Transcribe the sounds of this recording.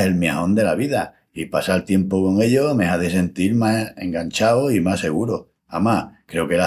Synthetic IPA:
e̞lmjiahõ̞nd̪e̞laβiða | ipasalt̪je̞mpoko̞ŋe̞ʎo̞meɦaðese̞nt̪iɾmaeŋɡant͡ʃawoimase̞ɣ̞uɾo | amakɾe̞okela

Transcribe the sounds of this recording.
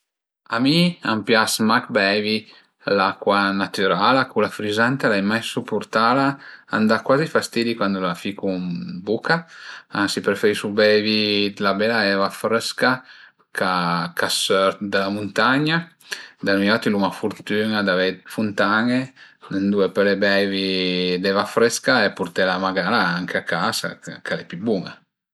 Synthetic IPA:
amiampjasmak̚bɛvi | lakwanat̪yɾalakulafɾizant̪alajmajsupuɾt̪alaa̰nd̪akwazifast̪id̪ikwand̪ulafikumbukaansipɾefeɾisʃubɛvid̪labɛlaɛvafɾɛska | kakʰasøɾt̪d̪alamunt̪aɲa | d̪almiat̪ilumafuɾt̪yŋad̪avɛfunt̪aŋe | dend̪uepelebɛvid̪ɛvafɾɛskaepːuɾt̪ɛlamaɡalaaŋkʰeakasa̰kalɛpybuŋa̰

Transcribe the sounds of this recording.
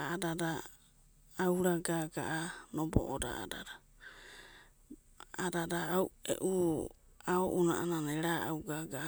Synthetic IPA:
aadadaː | wɾaɡaɡaʔanobo̰ʔoda̰ʔa̰da̰da | adadaawḛʔu | aoʔunaʔananeɾaa̰wɡaɡaʔa

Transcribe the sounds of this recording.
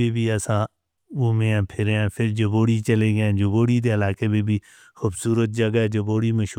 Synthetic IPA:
eːbʱiːəsãː | omẽːãːpʰɪɾãːpʰɪɾd͡ʒəboːɽiːt͡ʃəleːɡeɛ̃ːd͡ʒʊboːɽiːd̪eːəlaːkeːbeːbʱiː | xʊbsuːɾət̪̚d͡ʒəɡaɛːd͡ʒəboːɽiːməʃ

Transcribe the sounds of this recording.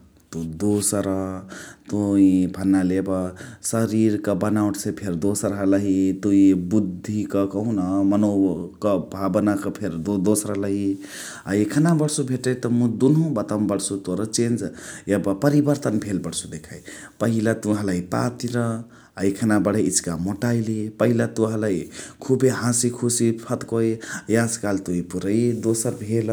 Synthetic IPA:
t̪ud̪osɾət̪uibʱənːalebəsəɾiɾkəbənawʈsepʰeɾd̪osɾəɦələɦit̪uibud̪ʱːikəkəɦunəmənokəbʱabnakəpʰeɾd̪od̪osɾəɦləɦi | aekʰənabəɽsubʱeʈət̪ɔmũd̪unɦũbət̪əmbəɽsut̪oɾət͡ʃend͡ʒjəbapəɾibəɾt̪ənbʱelbəɽsud̪ekʰaipəɦilat̪uɦə̃ləipa̰t̪iɾə | aikʰənabəɽ̤əit͡ʃkamoʈailipəɦilat̪uɦə̃ləikʰubeɦãsikʰusipʰət̪kojjaskalt̪oipuɾəjd̪osəɾbʱel

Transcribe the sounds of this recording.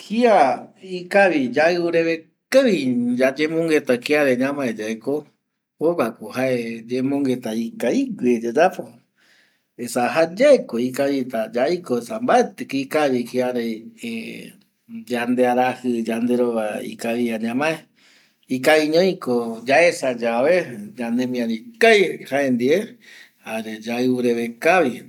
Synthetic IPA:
hiaikaβid͡ʒaɨuɾeβe | keβid͡ʒad͡ʒẽmõŋɡet̪akiaɾeɲãmãed͡ʒaeko | oβakuhaed͡ʒemõŋɡet̪aikaiɡʷed͡ʒad͡ʒapo | esaɦad͡ʒaekoikaβit̪ad͡ʒaikoesambaet̪ekikaβikiaɾee | d͡ʒand̪eaɾahɨd͡ʒand̪e̞ɾoβaḭkaβiaɲãmãe | ikaiɲõĩkod͡ʒaesad͡ʒaβed͡ʒanemĩãɾikajhaend̪ie | aɾed͡ʒaɨuɾeβekaβi

